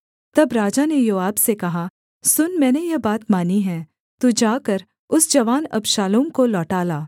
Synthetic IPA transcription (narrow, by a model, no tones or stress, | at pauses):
t̪ɐbɾaːd͡ʒanejoːaːbsekɐɦa | sʊnmɛ̃ːnejɐbaːt̪maːniɦɛ̃ː | t̪ud͡ʒaːkɐɾ | ʊsd͡ʒɐʋaːnɐ̰bʃaːlõkolɔːʈaːlaː